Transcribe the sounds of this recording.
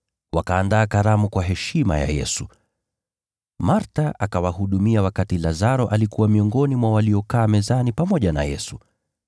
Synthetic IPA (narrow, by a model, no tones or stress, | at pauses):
wakaːndaːkaɾamukwaɦɛʃima̰ja̰jɛ̰su | maɾtaʔakawahuɗumiawakatilazaɾɔʔalikuwamiɔŋɡɔnimwawaliɔkaːmɛzanipamɔʄana̰jɛ̰su